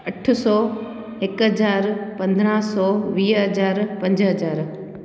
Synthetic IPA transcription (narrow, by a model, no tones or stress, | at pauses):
ɐʈʰʊsɔː | ɪkɦɐd͡ʑaːɾpɐ̃nd̪ɾãːsɔːʋiːɦɐd͡ʑaːɾpɐ̃ɲd͡ʑɦɐd͡ʑaːɾ